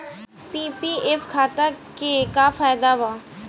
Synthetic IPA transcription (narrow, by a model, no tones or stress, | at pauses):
piːpiefkʰaːt̪akekafaːjd̪aʋaː